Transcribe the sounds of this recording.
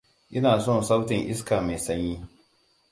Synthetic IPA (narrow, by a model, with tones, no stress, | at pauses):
ʔɪ˦naː˨sɔ˦nsa˦wtɪ˨ŋʔɪ˦skaː˨me˨sɐ˦ɲjiː˦